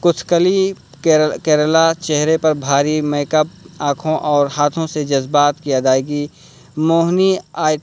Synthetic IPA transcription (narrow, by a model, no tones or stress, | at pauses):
kʊt̪ʰkəli | kɛːɾəlat͡ʃɛɦɾepɐɾbʱaːɾimeːkəp̚ãːkʰõʔɔːɾhaːt̪ʰõsed͡ʒɐzbaːt̪kiad̪aːjɡi | moːɦniaː